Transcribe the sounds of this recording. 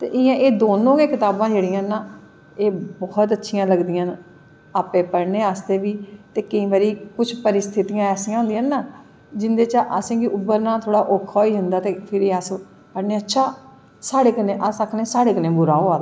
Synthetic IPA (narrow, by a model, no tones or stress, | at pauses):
t̪ḛːʔɪjãːʔeːd̪oːnõːɡeːkɪt̪aːbãːd͡ʒeːɽɪjãːnãː | eːbɔːt̪ətːʃʰɪjãːləɡd̪ɪjãːn | aːpeːpəɽneːaːst̪eːʋiːt̪eːkəĩːbaːɾiːkʊt͡ʃʰpəɾɪst̪ʰɪt̪ijãːɛːsĩjãːɦʊ̃ːnd̪ijãːnaː | d͡ʒɪnd̪eːt͡ʃəʔəsĩːɡiʔʊbːəɾnãːt̪ʰoːɽaːʔokʰoːiːɦʊnd̪aːt̪eːpʰɪɾeːəs | pəɽneːətːʃʰaː | saːɽeːkənẽːʔəsəkʰnẽːsaːɽeːkənẽːbʊɾaːoːaː